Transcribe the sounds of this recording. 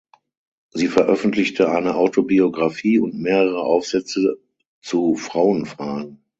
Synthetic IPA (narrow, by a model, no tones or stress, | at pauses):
ziːfɛɐʔœfn̩tlɪçtʰəʔaɪnəʔaʊtʰobioɡʁafiːʊntmeːʁəʁəʔaʊfz̥ɛt͡sə | t͡sufʁ̥aʊənfʁ̥aːɡŋ̩